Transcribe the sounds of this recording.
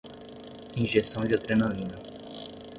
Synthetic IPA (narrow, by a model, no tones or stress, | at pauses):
ĩʒesɐ̃w̃d͡ʒɪat̪ɾenalĩnɐ